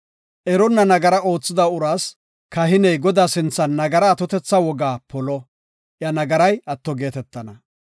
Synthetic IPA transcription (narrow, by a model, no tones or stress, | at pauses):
ʔɛɾɔnːɐnɐɡɐɾɐʔo̞ːt͡sːɪd̪ɐʊɾaːs | kɐɦɪnɛjɡɔd̪aːsɪnt͡sːɐnːɐɡɐɾɐːt̪ɔt̪ɛt͡sːɐwɔɡaːpɔlɔ | ʔjɐnɐɡɐɾɐjɐt̪ːɔɡe̞ːt̪ɛt̪ːɐnɐ